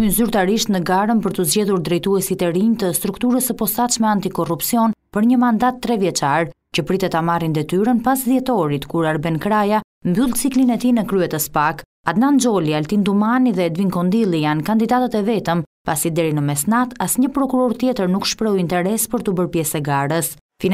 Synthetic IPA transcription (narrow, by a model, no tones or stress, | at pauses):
ynzyɾt̪aɾiʃt̪nəɡaɾənpəɾt̪uzd͡ʑɛðuɾd̪ɾɛjt̪uɛsit̪ɛɾiɲt̪əst̪ɾukt̪uɾəsəpɔsat͡ʃmɛant̪ikɔrupsiɔnpəɾɲəmand̪at̪ːɾɛvjɛt͡ʃaɾ | cəpɾit̪ɛt̪amarind̪ɛt̪yɾənpasðjɛt̪ɔɾit̪kuɾaɾbɛnkɾaja | mbylˠt͡siklinɛt̪inəkɾyɛt̪əspak | ad̪nand͡ʒɔlialt̪ind̪umaniðɛd̪viŋkɔnd̪ilˠijankand̪id̪at̪at̪ɛvɛt̪əmpasid̪ɛɾinəmɛsnat̪asɲəpɾɔkuɾɔɾt̪jɛt̪əɾnukʃpɾɛuint̪ɛɾɛspəɾt̪ubəɾpjɛsɛɡaɾəs | fi